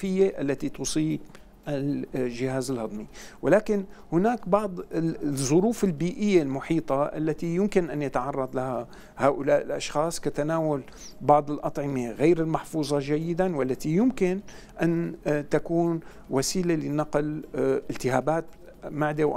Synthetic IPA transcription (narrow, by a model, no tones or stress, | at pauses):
fɪjːeʔalːat̪it̪usˤiːb | ʔalʒɪhaːzɪlhɑd̪ˤmiwɪlaːkɪnhʊnaːkbɑʕd̪ˤzˤʊɾuːfɪlbiːʔɪjːelmʊħiːt̪ˤɑʔa̰lːat̪ijʊmkɪnʔanjat̪ʕɑrˤːɑd̪ˤlaha | haːʔʊlaːʔɪlʔɑʃxɑːsˤkat̪anaːwal | bɑʕd̪ˤɪlʔɑt̪ˤʕɪmeɣejɾɪlmɑħfuːzˤɑʒajːɪd̪anwalːat̪ijʊmkɪn | ʔant̪akuːn | wasiːlelɪnɑqlʔɪlt̪ɪɦaːbaːt̪̚ | maʕd̪ewʔ